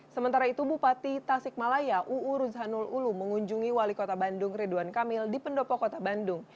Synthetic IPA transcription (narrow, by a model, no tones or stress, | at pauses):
səmənt̪aɾait̪ubupat̪it̪asɪk̚malajaʔuːɾusɦanululuməŋuɲd͡ʒuŋiwalikot̪abandʊŋreduankamɪldipəndɔpɔkot̪abandʊŋ